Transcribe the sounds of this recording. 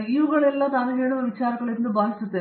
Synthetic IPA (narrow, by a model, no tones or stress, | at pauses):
iːʋuɣɐɭelːat̪aːnɐkeːɳumɐʋit͡ɕaːɾɐŋːɐɭiɾunːɨbʱaːsɐt̪ːɐ